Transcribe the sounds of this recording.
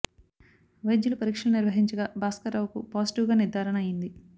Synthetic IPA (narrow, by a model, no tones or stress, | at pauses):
ʋɐjd͡ʒːɐlupɐɾiːkʂɐluniɾʋɐɦiɲt͡ʃɐɡabaːskɐɾaːʋkupaːsiʈiʋɡaːniɾd̪ʱaːɾɐɳɐɐjind̪i